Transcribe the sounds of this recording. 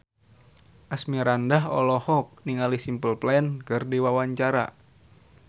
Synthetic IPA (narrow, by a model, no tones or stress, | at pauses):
ʔasmiɾandaɦɔ̰lɔhɔk̚niŋalisimpəlplankɨrdiwawaɲt͡ʃaɾa̰